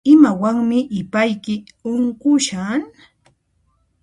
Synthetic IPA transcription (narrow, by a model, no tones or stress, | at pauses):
ɪmawaŋmɪʔɪpajkɪ | ʊŋkʊʃaŋ